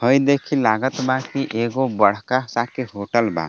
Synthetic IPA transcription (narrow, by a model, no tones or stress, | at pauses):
həjd̪eːkʰilaːɡət̪bakiʔeːɡobəɽ̤kasakiɦoːʈəlba̰